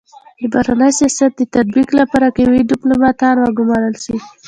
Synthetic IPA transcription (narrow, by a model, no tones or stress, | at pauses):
d̪əbahɾanəjsijɑsat̪̚d̪ət̪ad̪̚biklapaɾakawiɖɪplomɑt̪ɑnwaɡʊmɑɾəlʃi